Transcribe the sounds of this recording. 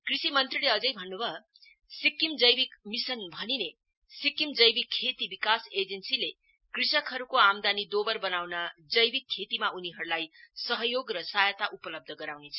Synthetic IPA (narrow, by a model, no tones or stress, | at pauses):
krisimʌnt̪rileʌd͡zʌjbʱʌnːubʱʌ | sikimd͡zʌjbikmisʌnbʱʌnine | sikimd͡zʌjbikʰːet̪ibikased͡zʌnsile | krisʌkʰɦʌɾukoamd̪anid̪obʌrbʌnawnʌd͡zʌjbikʰːet̪imauniɦʌɾulajsʌɦʌjoɡrʌsajʌt̪aʔupʌlʌb̚d̪ʱʌɡʌɾawnet͡sʰʌ